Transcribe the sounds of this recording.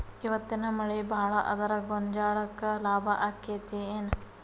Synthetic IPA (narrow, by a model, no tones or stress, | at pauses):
iʋɐt̪ːinɐmɐɭebaːɭɐʔɐ̰d̪ɐɾɐɡoɲd͡ʒaːɭɐkːɐlaːbʱɐʔaːkːet̪ieːn